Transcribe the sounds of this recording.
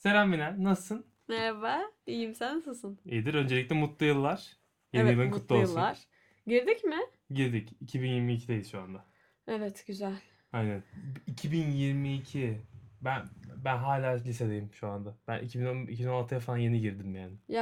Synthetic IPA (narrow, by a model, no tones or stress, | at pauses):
se̞væmbinɛnasɯn | mevaijimsænasɯsɯnid̪iɾø̞nd͡ʒeic̚tlʲɛmut̪lˠɯjɯlˠːaɾ̥ | jenijlˠinkʰut̪lˠolˠːaɾ̥ | ɟiɾd̪icmɪ | ɟiɾd̪icicʰibinjiɾmiːcʰid̪ejisʃuand̪a | evɛt̪ɟ̥yzæl̥ʲ | ajnænicʰibinjiɾmiːcʰibænbænɦaːlʲaːlʲise̞d̪ejimʃuand̪abænʔḭcʰibinonicʰibino̞nalˠt̪ʰɯjafalˠanje̞niɟiɾd̪imjaːnɪj